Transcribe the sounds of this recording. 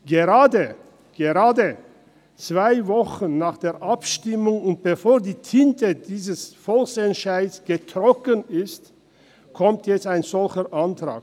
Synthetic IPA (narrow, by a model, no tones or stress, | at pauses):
ɡ̥əʁaːdə | ɡ̥əʁaːdə | t͡sv̥aɪvɔχənnaːχd̥eːɐʔapʃtɪmʊŋʊnt̚b̥əfoːɐdiːtʰɪntədiːzəsfɔlksɛnʃaɪdsɡ̥ətʁ̥ɔkənɪst | kʰɔmtjɛt͡staɪnzɔlçəʔantʁ̥a̰ːk